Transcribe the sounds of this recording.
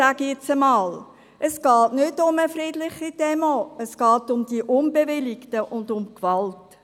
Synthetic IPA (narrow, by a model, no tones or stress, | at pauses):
æɡəɪt͡səmɑːl | ʔəsɡ̥ɑːtnʏdʊməfridlɪχid̥ɛmoəsɡ̥ɑːtʊmd̥iəʔʊnbevɪlɪktəʔʊndʊmkʋɑlt